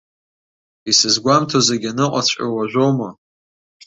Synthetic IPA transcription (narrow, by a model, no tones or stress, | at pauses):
isɨzɡʷamtʰozaɡʲanɨqʷʼat͡ɕʷʼa̰waʒᶣʷowma